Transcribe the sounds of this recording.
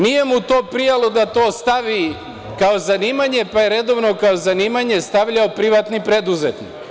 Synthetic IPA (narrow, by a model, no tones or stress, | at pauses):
nije̞mut̪o̞ːpɾijalˠod̪at̪o̞ːst̪aʋi | kaozaniːmaɲe̞pajeɾe̞d̪o̞ʋno̞kaozaniːmaɲe̞st̪aʋʎaopɾiʋaːt̪nipɾe̞d̪uzet̪nik